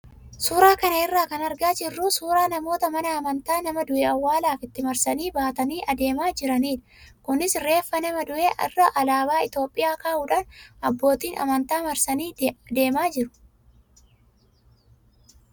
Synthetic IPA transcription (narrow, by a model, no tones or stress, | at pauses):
suːɾaːkɐnɐɪrːaːkɐnɐɾɡaːd͡ʒɪrːʊsuːɾaːnɐmo̞ːt̪ɐmɐnɐːmɐnt̪aːnɐmɐd̪ʊʔeɐwːaːlaːfɪt̪ːɪmɐɾsɐniːbaːt̪ɐniːʔɐd̪e̞ːmaːd͡ʒɪɾɐniːᶑɐ̥kʊnɪsɾe̞ːfːɐnɐmɐd̪ʊʔeːʔɐ̰rːɐʔɐlaːbaːɪt̪jo̞ːpʼːɪjaːkaːʔuːᶑaːnɐbːo̞ːt̪iːnɐ̰mɐnt̪aːmɐɾsɐniːd̪e̞ːmaːd͡ʒɪɾʊ̥